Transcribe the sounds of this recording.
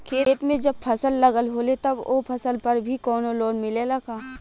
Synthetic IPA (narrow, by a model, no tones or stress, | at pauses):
kʰeːt̪mẽd͡ʒɐb̚pʰɐsəlːɐɡəlɦoːlet̪ɐboːpʰɐsəlpɐɾbʱikɔːnoloːnmɪlelɐkaː